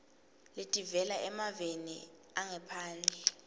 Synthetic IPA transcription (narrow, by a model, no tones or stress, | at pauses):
letʼivɛlaʔɛmavenḭ | aŋɛpʰaːnd͡ɮʱɛ